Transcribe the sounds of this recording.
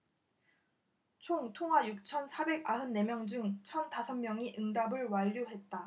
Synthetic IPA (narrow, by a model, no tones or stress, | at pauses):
t͡ɕʰoŋtʰoŋɦwajuk̚t͡ɕʰʌnsʰabe̞ɡaɦɯnːe̞mjʌŋd͡ʑuŋt͡ɕʰʌntasʰʌmmjʌŋiʔɯŋdabɯɭwaʎːoɦe̞t̚t͈a